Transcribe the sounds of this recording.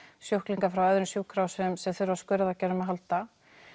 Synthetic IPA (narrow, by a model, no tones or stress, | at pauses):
sjowhkliŋkafɾawœðɾɪmsjuːkʰɾawsɛmsɛθʏɾvaskʏːɾɪðacɛːɾʏmaðɦalt̪a